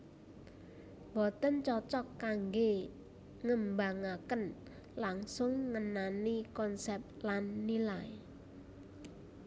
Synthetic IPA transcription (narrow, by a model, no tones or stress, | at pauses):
bɔt̪ənt͡ʃɔt͡ʃɔkːaŋɡe | ŋəmbaŋakən | laŋsʊŋːənanikɔnsɛp̚lanːilaj